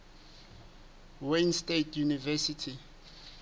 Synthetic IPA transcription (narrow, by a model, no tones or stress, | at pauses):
wenstetʰjunivɛsitʰi